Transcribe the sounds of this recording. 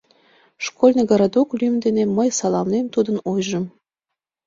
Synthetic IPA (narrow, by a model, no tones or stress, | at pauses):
ʃkolʲnʲeɡəɾɑd̪oklʲymd̪eneməjsɑlˠɑmnemt̪ud̪ənojʒə̆m